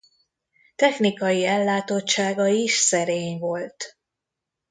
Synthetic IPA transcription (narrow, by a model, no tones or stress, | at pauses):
t̪ɛxnikɒjiɛlːaːt̪o̞t͡ʃːaːɡɒiʃsɛɾeːɲvo̞lt̪